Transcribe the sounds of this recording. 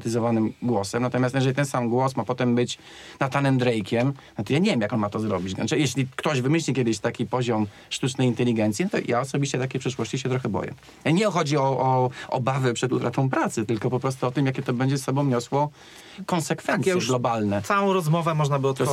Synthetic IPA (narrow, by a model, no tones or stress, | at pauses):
t̪ɘzɔvanɘmɡwɔsɛmnat̪ɔmjast̪jɛʐɛlʲit̪ɛnsamɡwɔsmapɔt̪ɛmbɘt͡ɕ | nat̪anɛmd̪ɾɛjkʲɛmnɔt̪ɔjaɲɛvʲjɛmjakɔnmat̪ɔzɾɔbʲit͡ɕɡanɛjɛɕlʲikt̪ɔʑvɘmɘɕlʲikʲɛd̪ɘɕt̪akʲipɔʑɔm | ʂt̪ut͡ʂnɛjint̪ɛlʲiɡɛnt̪sʲjint̪ɔ̰jʔaɔsɔbʲiɕt͡ɕɛt̪akʲɛjpʂɘʂwɔɕt͡ɕiɕ̬ɛt̪ɾɔxɛbɔ̰jɛ̰ | ɲɛɔxɔd͡ʑiɔʔɔɔ̰bavɛpʂɛd̪ut̪ɾat̪ɔ̃w̃p̬ɾat̪sɨt̪ɘlkɔpɔpɾɔst̪uɔt̪ɘmjakʲɛt̪ɔbɛɲd͡ʑɛsːɔbɔ̃w̃ɲɔswɔ | kɔnsɛkfɛasɛɡlɔbalnɛsawɔ̃w̃ɾɔzmɔvɛmɔʐnabɘɔt̪